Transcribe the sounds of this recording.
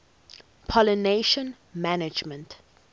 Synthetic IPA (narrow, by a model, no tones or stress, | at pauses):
pʰɔləneʃə̃n | manɪd͡ʒmə̃nt